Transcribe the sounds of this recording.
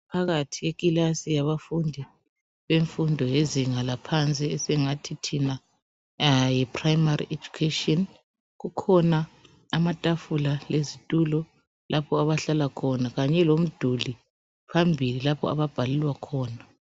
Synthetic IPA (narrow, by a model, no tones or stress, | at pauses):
pʰaɣatʰiɣekʼilasijaβafundʱi | βeɱfundʱɔjeziŋalapʰant͡sʼiːsɛŋatʰitʰina | jɛpʰrajmarḭʔed͡ʒu̥kʰetɔn | ɣukʰɔnaː | matʼafulalezitʼulɔ | lʔapʰɔaβaɬalakʰɔnaɣaɲɛlom̩d̥ʱuli | pʰambʱililapʰɔ̰a̰βab̥ʱalilwakʰɔːna